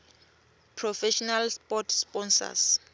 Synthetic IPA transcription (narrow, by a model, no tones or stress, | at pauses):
pʰrɔfɛʃɔnalspɔtʰspɔnsa̰s